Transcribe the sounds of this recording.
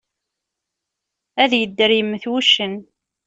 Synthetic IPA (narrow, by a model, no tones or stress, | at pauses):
æðjəd̪ːəɾiəmːəθwuʃːən